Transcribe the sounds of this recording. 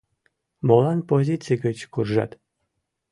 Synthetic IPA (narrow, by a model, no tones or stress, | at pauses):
molɑnpozʲit̪t͡sɨjɡət͡ɕkurʒɑ̰t̪